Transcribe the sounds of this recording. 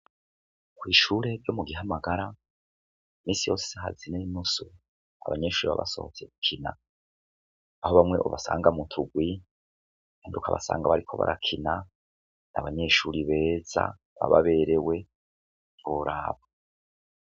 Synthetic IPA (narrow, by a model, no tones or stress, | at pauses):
kwiːʃuːɾe̞ɾjo̞muɡiɦamaɡaɾa | miːsijo̞ːse̥saɦa̰zineinusu | a̰βaɲe̞ːʃuːɾiβa̰βa̰so̞̰hot͡se̞kukʰina̰ | aho̞βamŋe̞̰ʔuβasaːŋɡamutʰuɡwi | andukʰaβa̰sa̰ːŋɡaβaɾikʰo̞βa̰ɾʔakʰina | naβaɲe̞ːʃuɾiβe̞ːz̥a̰ | βaβaβe̞ɾe̞we̞ | oɾaːβo